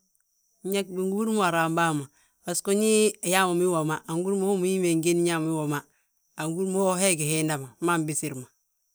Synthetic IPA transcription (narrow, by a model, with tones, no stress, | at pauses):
ɲa˦k̚bi˨ŋɡu˦u˦ɾmu˦a˨ɾa˨mba˦˨ma˨ | a˨sko˦ɲi˦a˨ja˦ma˨mi˦wo˨ma˦ʔa˨ŋɡu˦ɾmo˦o˦mu˨ji˦me˨ŋɡe˦n˦ɲa˦m˦i˦wo˨ma˦ | a˨ŋɡu˦ɾmo˦o˦ɦe˦˨ɡi˨he˦nda˨ma˨˦ma˦˨mbi˦si˦ɾma˨